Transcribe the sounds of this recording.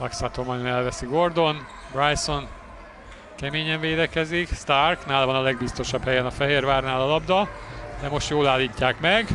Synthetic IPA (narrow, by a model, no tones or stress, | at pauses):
laksaːt̪oːmɒjonɛlvɛsiɡo̞rd̪o̞n | brajso̞n | kɛmeːɲɛɱveːd̪ɛkɛzikst̪arknaːlɒvɒnɒlɛɡ̚bist̪o̞ʃɒbhɛjɛnɒfɛɦeːrvaːrnaːlɒlɒbd̪ɒd̪ɛmo̞ʃt̪joːlaːlːiːcːaːkmɛɡ